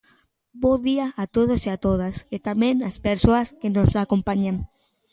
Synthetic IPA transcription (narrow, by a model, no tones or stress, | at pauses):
boðiaʔːt̪oð̞osiat̪oðaset̪amẽŋaspeɾsoɐskenosakompaɲaŋ